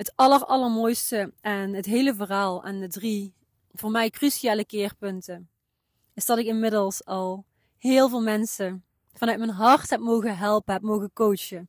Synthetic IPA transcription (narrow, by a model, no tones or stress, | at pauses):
ɦətɑləɹɑləɹmoːjstəɛnɦətɦejləvəraːlˠɛ̰ndədri | v̥ʊːɹmɛjkrysiaːləkɪːɹpɵntə | ɪzdɑtɪkɪnmɪdəlˠsɑlˠ | hɪːlˠvɪːlˠmɛnsə | v̥ɑnœɥt̚mɛnɦɑɹtɦɛp̚mowɣəɦɛlˠpəɦɛp̚mowɣənkowt͡ʃə